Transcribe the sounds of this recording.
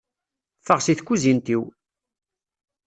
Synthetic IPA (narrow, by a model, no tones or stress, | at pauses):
fəʁsiθkʷːuzint̪iw